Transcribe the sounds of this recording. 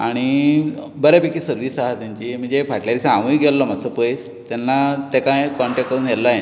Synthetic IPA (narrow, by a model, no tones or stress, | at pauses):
aɽ̃i | bəɾapekiːsəɾʋisaɦat̪jaɲt͡ɕiːm̤əɳd͡zefaʈljaɾisaaʋũiɡʱɛllːɔmasəpəes | t̪janːat̪ekãkɔɳʈek̚əɾunɦelːaje